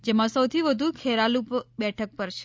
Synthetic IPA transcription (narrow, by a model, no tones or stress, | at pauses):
d͡ʒemãsəwt̪ʰiʋəd̪ʱukʰeɾalupbɛʈʰək̚pəɾt͡ʃʰe̥